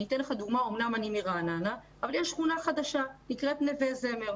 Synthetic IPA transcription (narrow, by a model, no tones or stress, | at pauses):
it̪enleχad̪uɡmaomnamanimiʁanana | avaljeʃχunaχad̪aʃanikʁet̪nevezemeʁ